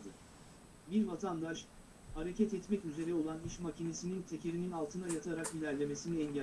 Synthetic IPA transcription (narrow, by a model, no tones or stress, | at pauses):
d̪ɯ | biɾvat̪ʰand̪aʃ | haɾe̞cʰɛt̪ɛt̪mɛcyze̞ɾɛo̞lˠaniʃmacʰine̞sinint̪ʰecʰeɾininalˠt̪ʰɯnajat̪ʰaɾakjilʲæɾlʲe̞me̞siniɛɲɟ